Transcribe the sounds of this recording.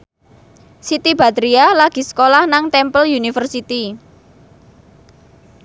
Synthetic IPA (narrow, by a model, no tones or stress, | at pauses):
sit̪ib̥at̪ɾialaɡ̥i̤sə̥kolahnaŋt̪ɛmpəljunifərsit̪i